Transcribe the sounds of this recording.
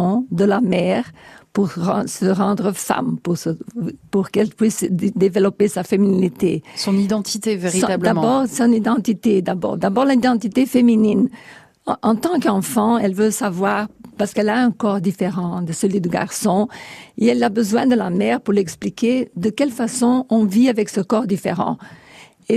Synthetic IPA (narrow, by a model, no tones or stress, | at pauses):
ɔ̃d̪əlamɛʁpuʁɑ̃səʁɑ̃d̪ʁəfa̰mpuʁsəpuʁkɛlpɥisd̪evəlɔpesafemininit̪esɔnid̪ɑ̃t̪it̪eveʁĩabld̪ãbɔːʁsɔ̃nid̪ɑ̃t̪it̪ed̪abɔ̰ːʁd̪abɔʁlaid̪ɑ̃t̪it̪efeminin | ɑ̃t̪ɑ̃kɑ̃fɑ̃ɛlvøsavwaʁpaʁskɛlaɛ̃kɔʁd̪ifeʁɑ̃d̪əsəlɥid̪əɡa̰ʁsɔ̃eɛlabəzwɛ̃d̪əlamɛʁpuʁlɛksplikʲed̪əkɛlfasɔ̃ɔ̃viavɛksəkɔʁd̪ifḛʁɑ̰̃ | e